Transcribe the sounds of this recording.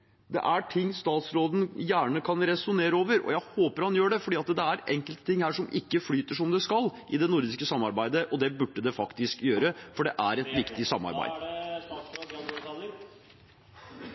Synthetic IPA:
d̪ɛ̰ʔæʈʰɪŋːst̪ɑːt̪sɾoːd̪n̩jæːɳəkʰɑnɾɛsʊneːɾəoːʋəɾɔ̰jæɪhoːpəɾhɑnjøːɖɛfɔɖiːɑt̪d̪ɛæɾɛŋkəlt̪ə̥t̪ɪŋːhæːʂɔmʔɪkːəflyːt̪əʂɔmd̪ɛskɑlʔɪd̪ɛnʊɾd̪ɪskəsɑmːɑɾbæɪd̪əʔɔd̪ɛbʉɖːəd̪ɛfɑkt̪ɪskjøːɾəfɔɖɛʔæɾɛt̪ʋɪkt̪ɪsɑmːɑ̰ɾbæ̰ɪd̪

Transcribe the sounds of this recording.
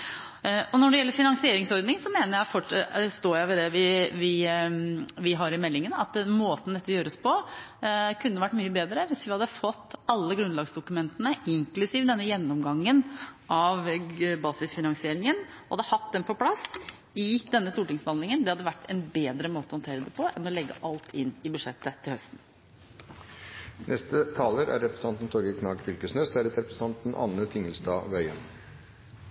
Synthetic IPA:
ɔnɔɖɛjɛlːəɾfɪnɑŋsɪeːɾɪŋsɔɾd̪nɪŋsɔmeːnəɾjæɪfɔʈst̪oːɾjæɪʋɪd̪ɛʋɪʋɪ | ʋɪɦɑɾɪmɛlːɪŋənɑt̪moːt̪ənəd̪ɛt̪ːəjøːɾəspɔ | kʰʉnːəʋæʈːmyːəbeːd̪ɾəʋɪsʋɪhɑd̪ːəfɔt̪ːɑlːəɡɾʉnd̪lɑːɡsd̪ʊkʉmɛnt̪ənəɪŋklʉsiːʋd̪ɛnːəjɛnːɔmɡɑŋːənʔɑʋbɑːsɪsfɪnɑŋsɪeːɾɪŋən | hɑ̰d̪əhɑt̪ːd̪ɛmpʰɔpʰlɑs | ɪd̪ɛnːəst̪uːʈɪŋsbəhɑnɪŋənd̪ɛhɑd̪ːəʋæʈːɛnbeːd̪ɾəmoːt̪əɔhɑnt̪ʰeːɾəd̪ɛpʰɔʔɛnɔlɛɡːə̰ʔɑlt̪ʰɪnːɪbʉd̪ʂɛt̪ːət̪ʰːɪlœst̪n̩ | nʔɛst̪ət̪ʰɑːləɾæ̰ɾɾɛpɾsn̩ɑnt̪n̩t̪ʰɔɾɡəkʰnɑːɡfʏlkəsnœsæɾət̪ɾɛpɾəsət̪ʰɑnt̪n̩ʔɑ̰nəfʰɪŋːəlsd̪ɑ̰ːʋœʏə̰n

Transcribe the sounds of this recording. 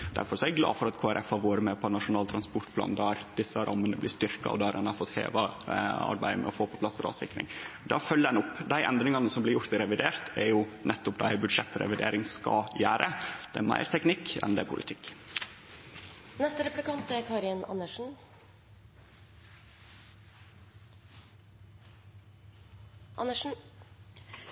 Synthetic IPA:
d̪æ̰ɾfɔɾsɔɛɡɡlɑ̰ːfɔɾɑt̪kʰoːæɾʔɛfhɑɾʋoːɾəmɛpʰɔɛnɑʂʊnɑːlt̪ʰɾɑnspʊʈ̪pʰlɑ̰ːnd̪æːɾd̪ɪsːəɾʔɑmːənəblɪst̪ʏɾkɑ̰ɔ̰d̪ɛhɑɾɛnɑɾfɔt̪hḛːʋɑɑ̰ɾbæɪmɛ̰ɔfoːpʰɔpʰlɑsːɔɾɑ̰ːsɪkːɾɪ̰ŋd̪ɑfœlːəɾɛnʊpːd̪æɪʔɛnd̪ɾɪŋɑnəsɔmblɪɾjʊɾt̪ɪɾɛʋɪd̪eːɾt̪ʰɛɾjʊnʔɛt̪ːɔpd̪ææɪbʉd̪ʂɛt̪ːɾɛ̰ʋɪd̪ḛːɾɪŋskɑjæːɾʔəd̪̥ɛæmæ̰ɪɾt̪ʰɛknɪkːɛ̰nd̪ɛpʰʊlʔɪt̪ʰɪkː | nɛst̪əɾɛplɪkɑnt̪æɾkʰɑːɾɪnɑ̰nːəʂn̩ | ʔɑnəʂn̩

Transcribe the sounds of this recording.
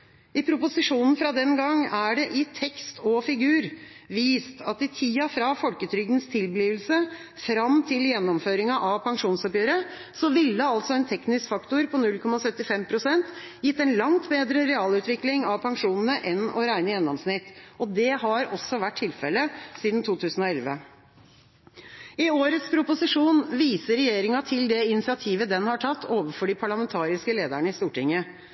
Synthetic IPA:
ɪpʰɾʊpʊsɪʂuːnn̩fɾɑd̪ɛnɡɑŋːæɖɛʔɪt̪ʰɛkst̪ʰɔfɪɡʉːɾ | ʋiːst̪ʰɑt̪ɪt̪ʰiːɑfɾɑfɔlkət̪ʰɾʏɡ̪ənst̪ʰɪlbliːʋəlsə | fɾɑmt̪ʰɪljɛnːɔmføːɾɪŋɑʔɑʋpʰɑŋʂuːnsɔpjøːɾə | sɔʋɪlːəɑlt̪sɔɛnt̪ʰɛknɪskfɑkt̪ʊɾpʰɔnʉlkʰɔmɑsœt̪ːɪfɛmpʰɾʊsɛnt̪ | jɪt̪ːɛnlɑŋt̪beːd̪ɾəɾɛɑːlʉːt̪ʋɪklɪŋɑʋpʰɑŋʂuːnn̩əʔɛnɔɾæɪnəjɛnɑmsnɪt̪ːʔɔd̪ɛhɑɾɔsːɔʋæʈʰːɪlfɛlːəsiːd̪n̩t̪ʰuːt̪ʰʉːsn̩ɔɛlʋə | ɪoːɾət̪spʰɾʊpʊsɪʂuːnʋiːsəɾɛjeːɾɪŋɑt̪ʰɪld̪ɛɪnɪsɪɑt̪ʰiːʋəd̪ɛnhɑʈʰɑt̪ʰːoːʋəfɔɖipʰɑɭɑmɛnt̪ʰɑːɾɪskəleːd̪əɳəɪst̪uːʈɪŋːə

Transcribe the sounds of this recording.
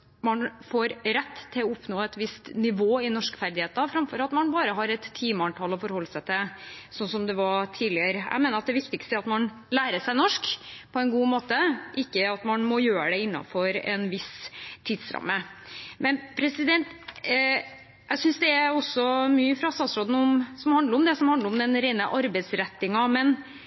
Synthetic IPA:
mɑnfoːɾɾɛt̪ːt̪ʰːɪlɔʊpnoːɛt̪ʋɪst̪nɪʋoːɪnɔʂkə̥fæɾd̪ɪheːt̪ɑfɾɑmfɔɾɑt̪mɑnbɑːɾəɦɑɾɛt̪ʰːiːməɑnt̪ʰɑlɔfɔɾhɔlːəsæɪt̪ʰɪsɔnsɔmd̪ɛʋɑt̪ʰiːlɪəɾæ̰ɪmeːnəɾɑt̪̚d̪ɛʋɪkt̪ɪkst̪əɾɑt̪mɑn | læːɾəʂæɪnɔʂkpʰɔɛnɡuːmoːt̪əʔɪkːəɑt̪mɑnmɔjøːɾəd̪ɛɪnːɑ̰fɔɾɛ̰nʋɪsʰiːd̪sɾɑ̰mːəmɛnpʰɾɛsɪd̪ɛnt̪ | jæɪsʏnsd̪ɛæɔsːɔmyːəfɾɑst̪ɑːt̪sɾoːd̪n̩ɔmsɔmhɑnd̪ləɾɔmd̪ɛsɔmhɑnd̪əɾɔmd̪ɛnɾeɪnəʔɑɾbɛɪsɾɛt̪ːɪŋɑmɛn

